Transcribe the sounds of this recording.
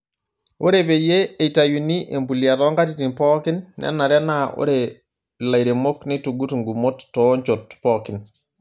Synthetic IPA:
o˦ɾepe˨je˦e˨itajuniʔe˨mbu˨lija˨tɔ˦ŋɡa˦t̬iti˨npɔ˦kinːɛ̰nːa˨ɾɛ˦nao̰˦ɾe | la˨jɾe˨mo˦knetuɡutŋɡu˨motːɔ˦ɲt͡ʃotpɔki˨n

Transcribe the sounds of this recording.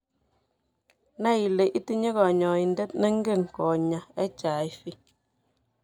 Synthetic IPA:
na˦i˨le˨ʔi˦ti˦ɲe˦ka˨ɲɔ˨i˨ndɛ˦tnɛ˦ŋɡe˦˨ŋkɔ˨ɲa˨ɛ˦t͡ʃa˨jfi˦

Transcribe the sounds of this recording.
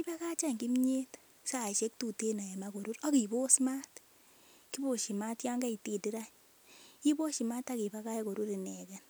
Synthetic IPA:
ki˦pa˦ka˦t͡ʃa˦ŋɡi˦mɲe˦t | sa˦˨ʃe˦k̚tu˦˨te˦na˨ɛ˨mako˨ɾu˦ɾa˦ki˨bo˦sma˦t | ki˦bo˨ʃi˨ma˦tja˦ŋɡa˦i˨ti˨ti˦ɾa˦ɲ | i˦bo˦ʃi˨ma˦ta˦ki˨ba˦ka˦e˦ko˨ɾu˦ɾi˨nɛ˨kɛ˨n

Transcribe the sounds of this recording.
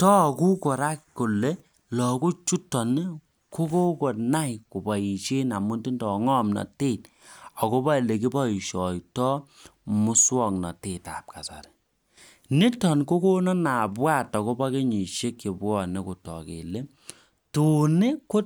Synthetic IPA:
tɔ˦˨ku˦ko˨ɾa˦kko˨le˦ | lɔ˨ku˦t͡ʃu˦tɔ˨n˦ | ko˦ko˦ko˨na˦jku˨bɔ˨i˨ʃe˦na˨mu˦nti˦ndɔ˨ŋɔ˦mnɔ̰˨te˦˨t̚ | ɔ˨ko˦ba˦i˨le˨k̬i˦bɔ˦i˨ʃɔ˨tɔ˦mʊ˦swɔ˦˨ŋnɔ̰˨te˨ta̰˨p̚ka˨sa̰˨ɾe̥˨ | ni˦tɔ˨nko˦ko˦nɔ˦na˨bwa˦˨tɔ˨ko˦ba˦ke˦ɲi˨ʃe˦kːi˨bwɔ˦˨ne˦ku˨tɔ̰˨kḛ˨le˦ | tu˨ne˦ko˦

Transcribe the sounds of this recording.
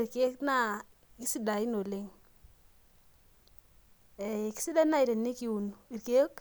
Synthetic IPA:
ɾke˦kna˦ | ki˦si˦da˨ɪ˦no˨lɪ˨ŋ | ɛ˨ki̥˦si˦da˦na˦i˨ɾe˨nːɪ˦ki˨˦u˨n˨i˨ɾke˦k

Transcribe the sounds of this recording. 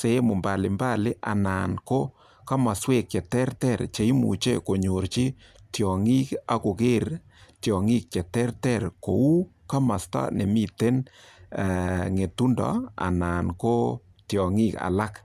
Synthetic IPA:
se˨˦mʊ˨mba˨lɪ˨mba˦lɪ˦ʔa̰˨na˨nko˦ | ka˦ma˨swe˦k̚t͡ʃɛ˨tɛ˦rtɛ˦˨ɾt͡ʃe˨i˦mṵ˨t͡ʃe˦ko˨ɲo˨ɾt͡ʃi˦ | tjɔ˨ŋi˦ka˦ko˨ke˦ɾ | tjɔ˨ŋi˦k̚t͡ʃɛ˨tɛ˦rtɛ˦ɾko˨u˦ | ka˦ma˨sta̰˦ne˨mi˦te˦n˨ | ŋe˨tu˦ndɔ̰˨a̰˨na˨nko˦ | tjɔ˨ŋi˦ka̰˨la˦k

